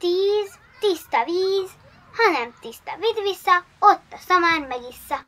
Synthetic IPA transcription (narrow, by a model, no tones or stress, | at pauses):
t̪iːz | t̪ist̪ɒʋiːz | hɒnɛmt̪ist̪ɒvid̪ʋisːɑot̪ːɒsɒmaːnmɛɡisːɑ